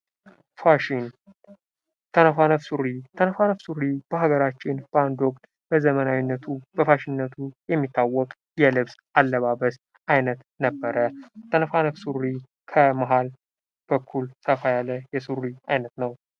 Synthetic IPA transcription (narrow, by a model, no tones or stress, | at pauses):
faʃin | t̪ʰənəfanəfsurit̪ʰənəfanəfsuɾib̥əɦaɡəɾat͡ʃːɪnband̪ɔkʼt̪ʼ | b̥əzəmənawinːət̪ʰubəfaʃinːət̪ʰujɛmːit̪ʰːawːɔkʼ | jɛlɨβsʔalːəβaβəs | ʔajnət̪ | nəbːəɾət̪ʰənəfanəfsuri | kʰəmaɦal | b̥əkʰːulsəfajalːəjɛsurːiajnət̪nəw